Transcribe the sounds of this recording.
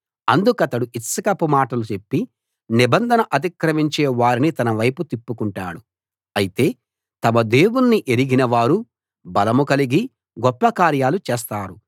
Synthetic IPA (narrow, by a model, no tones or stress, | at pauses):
ɐnd̪ukɐt̪ɐɽuʔit̪sɐkɐpumaːʈɐlut͡ʃe̞pːi | nibɐnd̪ʱɐnɐʔɐt̪̬ikɾɐʋiɲt͡ʃeːʋaːɾinit̪ɐnɐʋɐjput̪ipːukuɳʈa̰ːɽu | ɐjit̪e̞ː | t̪ɐmɐd̪e̞ːwunːiʔeɾiɡinɐʋaːɾu | bɐlɐmukɐliɡi | ɡɔpːɐkaːɾjaːlut͡ʃeːst̪aːɾu